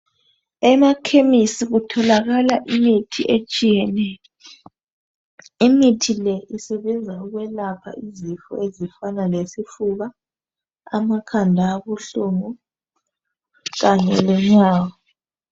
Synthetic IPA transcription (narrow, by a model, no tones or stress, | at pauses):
ɛmakʰemisiɣutʰɔlaɣalaʔimitʰiʔet͡ʃʼijɛnɛjɔ | imitʰilɛʔisɛβɛnd͡zʱauɣwɛlapʰa̰ʔizifɔ̰ezifanalesifuɣa | amakʰandʱaβuɬuŋu | ɣaɲɛlɛɲaːɣɔ